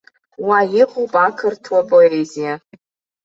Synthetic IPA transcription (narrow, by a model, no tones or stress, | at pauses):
wajiqʼopʼakʰɨrtʰwapʼoezija